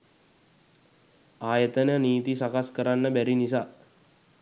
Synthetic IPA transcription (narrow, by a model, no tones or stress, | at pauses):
aːjət̪ənəniːt̪isakaskəɾanːəbæɾinisaː